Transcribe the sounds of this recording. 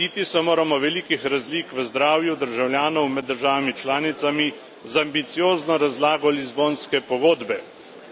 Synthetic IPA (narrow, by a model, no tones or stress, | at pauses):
iːt̪isɛmoːɾamɔʋɛliːkixɾazliːkʋəzd̪ɾaːwjud̪əɾʒawljaːnɔwmɛd̪dːəɾʒaːʋamit͡ʃlaːnit̪sami | zambit̪sijoːznɔɾazlaːɡɔlizboːnskɛpɔɡoːd̪bɛ